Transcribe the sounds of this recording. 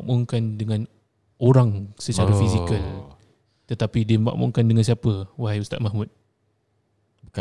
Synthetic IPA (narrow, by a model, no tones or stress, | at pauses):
ʔmuŋkandəŋãn | oɾaŋsət͡ʃaɾəffizikəl | t̪ət̪apidiəəma̰ʔmṵŋkandəŋans̬iapəwaɦajust̪a̰t̪̚mahmut̪̚